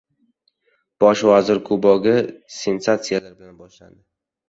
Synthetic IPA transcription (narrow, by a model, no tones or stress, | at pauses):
b̥ɒʃvazɪɾkʰʊbɒɡʲɪse̞nsat̪sijalaɾbɪlanbɒʃla̰nd̪ɪ